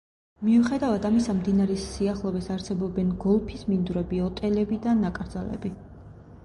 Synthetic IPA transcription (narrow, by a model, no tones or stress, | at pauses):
miuχɛd̪avad̪amisamd̪inaɾɛːiaχlˠɔbɛsaɾsɛbɔbɛnɡɔlˠpʰismind̪uɾɛbiɔt̪ʼɛlɛbid̪anːakʼɾd̪zalɛ̰bi